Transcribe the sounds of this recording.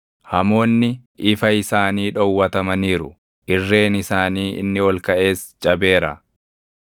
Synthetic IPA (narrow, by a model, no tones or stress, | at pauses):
hɐmo̞ːnːɪʔɪfɐɪsaːniːᶑɔwːɐt̪ɐmɐniːɾʊ | ʔɪrːe̞ːnɪsaːniːʔɪ̰nːɪwɔlkɐʔe̞ːst͡ʃʼɐbe̞ːɾɐ̰